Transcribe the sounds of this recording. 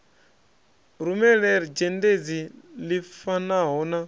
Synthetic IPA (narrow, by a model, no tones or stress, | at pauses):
ɾumɛɺɛɾid͡ʒɛnded͡zilifanaɦɔna